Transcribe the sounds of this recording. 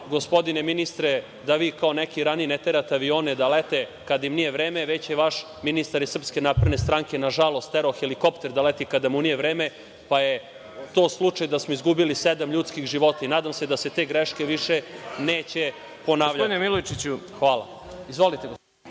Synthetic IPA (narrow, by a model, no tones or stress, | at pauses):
ɡo̞spo̞d̪ineminist̪ɾe | d̪aʋiːkaonekiɾanijinet̪e̞ɾat̪eaʋio̞ːned̪alet̪ekad̪aimnijeʋɾeːme̞ʋe̞t͡ɕjeʋaʃ | minist̪aɾisr̩pske̞napɾed̪nest̪ɾaŋke̞naʒalˠo̞st̪eɾoxeliko̞pt̪e̞ɾd̪alet̪ikad̪amunije̞ʋɾeːme̞ | paje̞ | t̪o̞ːslˠut͡ʂajd̪asmoizɡubilised̪amʎuːt̪skixʒiʋo̞t̪ainaːd̪amse̞d̪aset̪e̞ɡɾeʃke̞ʋiʃeneːt͡ɕe | po̞naːʋʎaod̪inemilojt͡ʃit͡ɕuxʋaːlˠa̰ | izʋo̞lit̪eɡo